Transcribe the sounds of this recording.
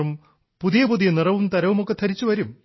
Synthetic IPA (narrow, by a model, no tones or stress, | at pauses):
um | puðijɐpuðijɐnirɐʋumt̪ɐɾɐʋumokːet̪ʰɐɾit͡ɕːuʋɐɾum